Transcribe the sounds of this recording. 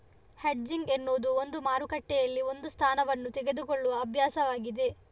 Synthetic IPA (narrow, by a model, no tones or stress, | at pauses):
heɖ̚d͡ʒiŋɡenːuːd̪uo̞nd̪umaːɾukɐʈːɛjɐlːio̞nd̪ust̪ʰaːnɐʋɐnːut̪ɛɡe̞d̪ukoɭːuʋɐːbʱjaːsɐʋaːɡid̪e̞